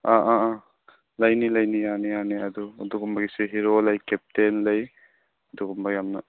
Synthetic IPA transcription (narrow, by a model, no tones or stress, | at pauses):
aʔaa | lɐjnilɐjnijanijaniɐd̪uːduɡumbaɡiseɦiɾolɐjkep̚tenlɐj | duɡumbaɡjamnɐ